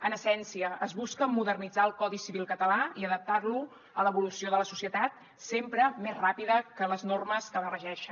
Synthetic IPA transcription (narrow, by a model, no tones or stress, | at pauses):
ənəsɛnsiəəzβuskəmuðərnid͡zaəlˠkɔðisiβilˠkət̪əlaiəðəp̚t̪arlu | ələβulusioðələsusiət̪at̪̚ | sempɾəmezrapiðəkələznorməskəβərəʒɛʃə